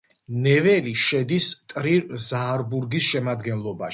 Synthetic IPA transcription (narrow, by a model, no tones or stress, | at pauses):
nɛvɛliʃɛd̪ist̪ʼɾiɾzaɾbuɾɡisʃɛmad̪ɡɛnlˠɔbaʃ